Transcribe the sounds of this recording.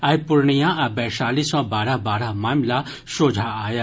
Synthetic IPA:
ɐjpʊɾɳijãɐbɛʃaːlisɔ̃baːɾabaːɾamaːmla | ʃoːd͡ʒʱaaːja

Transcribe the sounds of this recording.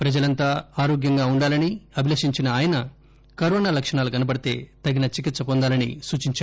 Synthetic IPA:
pɾɐd͡ʒɐlɐnt̪aːaːɾoːɡjɐŋɡaːuɳɖaːlɐniɐbʱilɐʂiɲt͡ʃinɐaːjɐnɐ | kɐɾoːnaːlɐkʂɐɳaːlukɐnɐpɐɽit̪e̞̰ːt̪ɐɡinɐt͡ʃik̬it̪sɐpɔnd̪aːlɐnḭsuːt͡ʃiɲt͡ʃa

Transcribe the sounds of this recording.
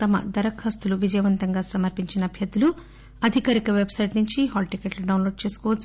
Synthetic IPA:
t̪ɐmɐ̰d̪ɐɾɐkʰːɐst̪uluʋid͡ʒɐjɐʋɐnt̪ɐŋɡaːsɐmɐɾpiɲt͡ʃinɐːbʱjɐt̪ulu | ɐd̪ʱikaːɾikɐʋebsɐjʈnuɲt͡ʃiɦaːlʈikeʈluɖɐwnloːɖ̚t͡ʃe̞ːsu̥kɔːʋɐt͡ʃː

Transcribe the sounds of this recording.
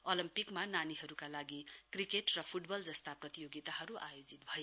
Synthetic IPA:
olimpikmananiɦʌɾukalaɡikrikeʈrʌpʰuʈbʌld͡zʌst̪aprʌt̪ijoɡit̪aɦʌɾuʔajod͡zit̪̚bʱʌje

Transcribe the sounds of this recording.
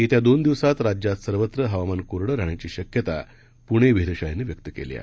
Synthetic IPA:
it̪jad̪ond̪iʋsat̪ɾad͡ʑjat̪səɾʋət̪ɾəɦəʋamankoɾɽəɾaɳ̃jat͡ɕiːɕəkjət̪a | puɽ̃eʋiɦɾəɕajenːeʋjək̚t̪əkḛlḭ

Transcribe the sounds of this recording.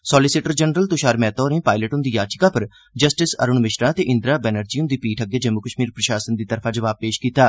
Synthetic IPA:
sɔːlɪsɪʈəɾd͡ʒənɾəlt̪ʊʃaːɾmɛːt̪ɔːɾəĩːpaːɪləʈɦʊnd̪iːjaːt͡ʃɪ̥kãːpəɾ | d͡ʒəsʈɪsə̰ɾʊɳmɪʃɾãːt̪eːʔɪ̃nd̪ɾaːbɛːnəɾd͡ʒiːʊnd̪iːpiːʈʰəɡeːd͡ʒəmʊkəʃmiːɾpɾəʃaːsənd̪iːt̪əɾpʰãːd͡ʒəʋaːb̚peːʃkiːt̪aː

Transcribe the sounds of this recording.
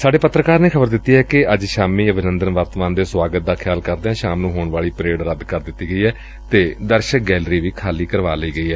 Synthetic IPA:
saːɖeːpət̪ɾəkaːɾnẽːkʰəbəɾd̪ɪt̪ːiːɦɛːkɪəd͡ʒʃaːmiːəbʱɪnə̃nd̪ənʋəɾt̪əmaːnd̪eːsʋaːɡət̪̚d̪aːkʰjaːlkəɾd̪eɛ̃ːʃaːmnũːɦoːɳʋaːɭiːpɾeːɽɾəd̪kəɾd̪ɪt̪ːiːɡəiːɦɛː | t̪eːd̪əɾʃək̚ɡɛːlɾiːʋiːkʰaːliːkəɾʋa̰ːləiːɡəiːɦɛː

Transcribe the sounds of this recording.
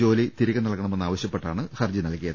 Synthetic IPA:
o̞ːlit̪iɾiɣɐnːɐɭkːɐɳɐme̞nːaːʋɐɕjɐpːe̞ʈːaːɳɨxɐrd͡ʑinɐlkːijɐðɨ

